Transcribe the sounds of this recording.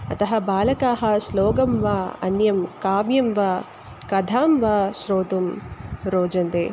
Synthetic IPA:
ɐt̪ɐɦɐ̆baːlɐkaːɦɐ̆sloːɡɐmʋaːɐ̰njɐmkaːʋjɐmʋaː | kɐd̪ʱaːmʋaːʃɾoːt̪umɾoːd͡ʒɐnd̪eː

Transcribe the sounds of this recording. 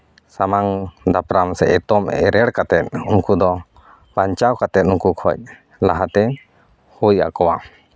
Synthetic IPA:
samaŋd̪apɾamsɛ̰ʔɛt̪ɔmɛ̰ɾɛɽkat̪ɛt̪̚unkud̪ɔ | baɲt͡ʃawkat̪ɛt̪̚ukukʰɔc̚ | laɦat̪ɛ | hujʔa̰kɔwa

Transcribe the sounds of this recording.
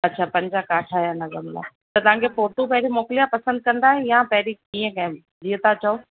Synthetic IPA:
ɐtːɕʰaːpɐ̃ɲd͡ʑakaːʈʰajanɐzəmla̰ː | t̪ɐt̪ɐʋ̤ãːŋkʰepoːɾt̪ũpɐɦɪɾimoːkɪlijapɐsə̃nd̪̚kɐ̃nd̪aːɦejãpɐɦɪɾikiːə̃kãẽ | d͡ʑiːət̪at͡ɕaoː

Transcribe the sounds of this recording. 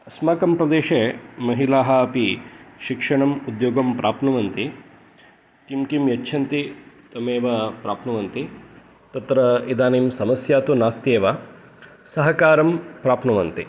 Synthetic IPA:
smɐːkɐmpɾɐd̪eːʃeːmɐɦilaːɦɐɐpiʃikʂɐɳɐmud̪joːɡɐmpɾʔaːpʰnɐʋɐnt̪i | kimkimjɐːt͡ʃʰɐnt̪i | t̪ɐmeːʋɐpɾaːpʰnɐʋɐnt̪i | t̪ɐt̪ɾɐid̪aːneːmsɐmɐsjaːt̪unaːst̪eːʋa | sɐɦɐkaːɾɐmpɾaːpʰnɐʋɐnt̪ḭ

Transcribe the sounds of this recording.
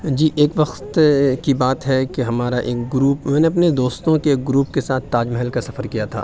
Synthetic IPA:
d͡ʒiːʔeːkʋɐxt̪kibaːt̪ɦɛkeɦɐmaːɾaʔeːk̚ɡɾuːpmɛ̃ːneɐp̬ned̪oːst̪õkeːk̚ɡɾuːpkesaːt̪ʰːaːd͡ʒmɛɦəlkasɐfəɾkijat̪ʰa̰ː

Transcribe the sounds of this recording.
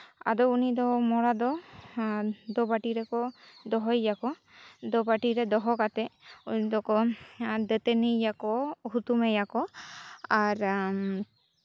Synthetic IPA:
a̰d̪ɔunid̪ɔmɔɽad̪ɔ | d̪ɔbaʈiɾɛkɔd̪ɔɦɔjjakɔ | d̪ɔbaʈiɾɛd̪ɔɦɔkat̪ɛud̪ɔkɔd̪ɛt̪ɛnɛjakɔhut̪umɛjakɔ | aɾ

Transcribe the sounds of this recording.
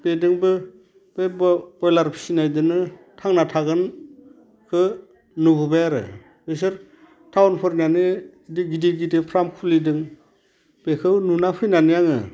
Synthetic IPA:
b̥edɯŋbɯ | b̥ebɯɔjlaɾpʰi̥sinajdɯnɯ | tʰaŋnatʰaɡɯn | kʰɯ | nɯbubajaɾɯ̰ | bes̬ɯɾ | tʰawnpʰɯɾnanɯ | diɡidiɡidepʰɾamkʰulidɯŋ | b̥ekʰɯwnunapʰɯjnanɯjaŋɯ̰

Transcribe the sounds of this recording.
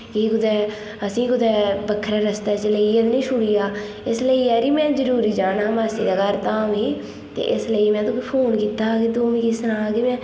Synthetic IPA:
kikʊd̪ɛː | əsĩːkʊd̪ɛːbəkʰːɾaːɾəst̪aːt͡ʃləiːed̪nĩːʃʰʊɽiːjaː | ɪsləiːɛːɾiːmɛ̃ːzəɾuːɾiːd͡ʒaːnaːmaːsiːd̪aːɡəɾt̪aːmɦiː | t̪ḛːʔɪsləiːmɛ̃ːt̪õːipʰoːnkiːt̪aːkid̪oːmĩːkisənaːɡimɛ̃ː

